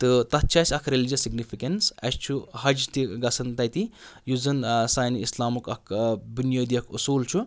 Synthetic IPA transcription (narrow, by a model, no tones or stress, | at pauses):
t̪ɨt̪ɐt̪̚t͡ʃʰɐsʲɐkʰɾelid͡ʒɐsːiɡnipʰikɐnsɐst͡ʃʰuhɐd͡ʒt̪iɡɐsʰɐnt̪ɐjt̪ijuzɨnsaːniislaːmukɐkʰbunjɐːd̪ijɐkʰusuːlt͡ʃʰu